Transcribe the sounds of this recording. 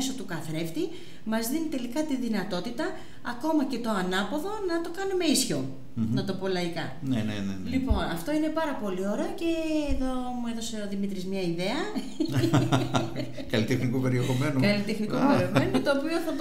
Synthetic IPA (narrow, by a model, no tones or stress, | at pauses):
so̞t̪ukɐθɾe̞ft̪i | mɐzðinit̪e̞likɐt̪iðinɐt̪o̞t̪it̪ɐː | ko̞mɐce̞t̪o̞ɐnɐpo̞ðo̞nɐt̪o̞kɐnume̞isço̞ | nɐt̪o̞po̞lɐikɐ | nenenelipo̞nɐft̪o̞ine̞pɐɾɐpo̞lio̞ɾeɐce̞ːðo | mueðo̞se̞oðimit̪ɾizmɲɐiðe̞ɐ | kɐlit̪exnikupe̞ɾiexomenukɐlit̪exnikupeɾeomenut̪oːpio̞θɐð